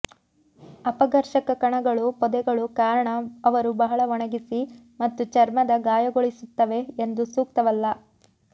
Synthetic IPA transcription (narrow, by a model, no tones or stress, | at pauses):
ɐpɐɡɐɾʃɐkɐkɐɳɐɡɐɭupɔd̪ɛɡɐɭukaːɾɐɳɐɐʋɐɾubɐɦɐɭɐʋɔɳɐɡisi | mɐt̪ːut͡ʃɐɾmɐd̪ɐɡaːjɐɡoɭisut̪ːɐʋe̞ːnd̪usuːk̚t̪ɐʋɐlːɐ